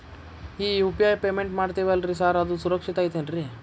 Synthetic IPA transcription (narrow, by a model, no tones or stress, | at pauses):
iːjupijaːjpeːmeɳʈmaːɖt̪iʋaːlɾis̬aːɾɐd̪usuɾɐkʂit̪aːjt̪enɾi